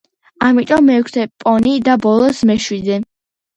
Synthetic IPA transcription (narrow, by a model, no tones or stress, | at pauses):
amit̪ʼɔmːɛkʷʰt̪ʰɛpʼɔnid̪abɔlˠɔsmɛʃwid̪ɛ